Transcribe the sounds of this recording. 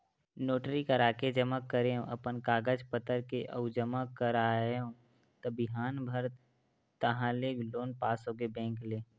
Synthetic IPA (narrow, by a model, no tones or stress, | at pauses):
noːʈɾikəɾaːked͡ʒəməkːəɾeɦõʔɐpənkaːɡəd͡ʒpət̪əɾkeʔə̰ʊd͡ʒəməkːəɾaːeɦõ | t̪əbɪɦaːnbʱəɾ | t̪əɦãleɡloːnpaːsɦoːɡebɛ̃ːŋkleː